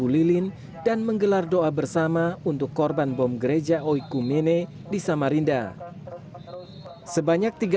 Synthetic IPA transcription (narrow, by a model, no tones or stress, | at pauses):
ulilɪn | danməŋɡəlardoabərsamaunt̪ʊkːɔrbanbɔmɡəɾed͡ʒaʔoikumene | disamaɾinda̰ | səbaɲak̚t̪iɡ